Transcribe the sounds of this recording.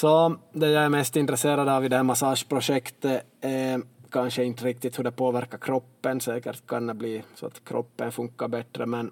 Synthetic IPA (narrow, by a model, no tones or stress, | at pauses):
sɔd̪ɛjaɛɾmɛst̪ɪnt̪ɾɛseːɾad̪ɑvid̪ɛhæːɾmasɑːʂpʰɾʊʂɛkt̪ə | æɾkʰanʂəɪnt̪əɾɪk̚t̪ɪt̪hɵɖ̪ɛpʰoːvæɾkːaɾkʰɾɔpːənsɛːkə̰ɾʈ̪kʰand̪ɛbliːsɔ̰a̰t̪kʰɾɔ̰pːənfɵŋkːabɛt̪ɾəmɛn